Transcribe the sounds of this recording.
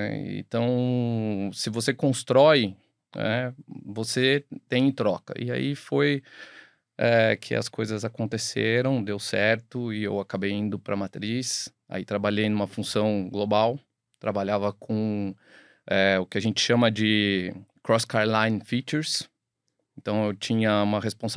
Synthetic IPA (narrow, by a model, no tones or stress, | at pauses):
ɛḛ̃nt̪ɐ̃w̃ | sɪvosekõst̪ɾɔj | ɛvoset̪ẽj̃t̪ɾɔkɐ̰ʔɪ̰a̰ifoj | ɛkʰɪ̰ɐ̰skojzɐzakõnt̪eseɾɐ̃w̃d̪ewsɛɾt̪ʊɪewakabejĩnd̪ʊpɾɐmat̪ɾis | a̰it̪ɾabaʎejnũmɐfũsɐ̃w̃ɡlobaw | t̪ɾabaʎavɐkʰõ | ɛʊkɪaʒẽnt͡ʃɪ̥ʃɐ̃mɐd͡ʒɪkɾɔskaɾlãj̃nfit͡ʃeɾs | ẽnt̪ɐ̃w̃ewt͡ʃĩɲɐũmɐɦespõs